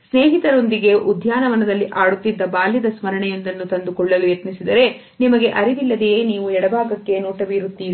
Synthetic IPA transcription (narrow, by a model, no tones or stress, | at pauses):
sneːɦit̪ɐɾo̞nd̪iɡe̞ʔud̪ʱjaːnɐʋɐnɐd̪ɐlːiʔaːɽut̪ːid̪ːɐbaːljid̪ɐsmɐɾɐɳɛjend̪ɐnːut̪ɐnd̪ukɔɭːɐlujɐt̪nisid̪ɐɾe̞ | nimɐɡe̞ʔɐɾiʋ̪ilːɐd̪ejeːniːʋuɛɽɐbʱaːɡɐkːe̞nuːʈɐʋiːɾut̪ːiːɾ